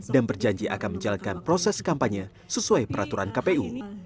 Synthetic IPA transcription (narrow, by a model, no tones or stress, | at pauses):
danbərd͡ʒaɲd͡ʒiʔa̰kanməɲd͡ʒalat̪̚kanpɾosɛskampaɲə | səsuajpəɾat̪uɾankapeu